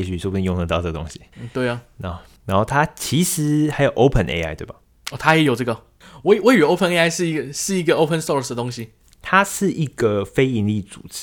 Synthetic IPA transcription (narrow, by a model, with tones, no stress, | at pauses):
ɕy˥˩swbu˧˥˧jo˥˧ŋd̪ə˧t̪ɑ˥ʊʈ͡ʂə˥˩ɡə˩t̪o̰˥ŋɕi˨n̩˥˨˩t̪we˥˩ɪɐ˩na˧˥o˥ | na˧˦nxo˥˩t̪ʰa˥t͡ɕʰi˧˥ʂɻ̩˧˥˦xa˧˥ɪjo˨˩ʊʔo˥ʊpʰə˥˨nʔḛ˧ɪa̰˥ɪt̪we˥˩bɐ˨˩ | ɔ˥˧˩t̪ʰa˥jɛ˧˥jo˨˩ʈ͡ʂɤ˥˩ɡə˩ | we˥˩ɪwɔ˥ɪy˨˩o˥ʊpʰə˨˧ne˥a˥˧ɪʂɻ̩˥˩i˥ɡə˨˩ʂɻ̩˥˩i˧˥ɡə˨o˥ʊpʰə˥˨nsɔ˥˩sdə˩t̪ʊ˥ŋɕi˧ | t̪ʰa˥ʂɻ̩˥˩ʔi˧˥ɡ̥ə˨fe˥ɪi˧˥nli˥˩t͡sṵ˨˩ʈ͡ʂ̩˥